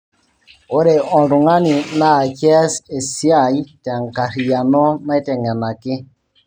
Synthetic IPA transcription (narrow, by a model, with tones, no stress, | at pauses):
o˦ɾe˨ɔ˨n˨ɾu˨ŋa˦ni˨na˦˨kɛ˦se˨sja˦˨i˦tɛ˨ŋ˨ka˨ɾi˨ja˨nɔ˦na˦i˦tɛ˨ŋɡɛ˨na˨kɪ˦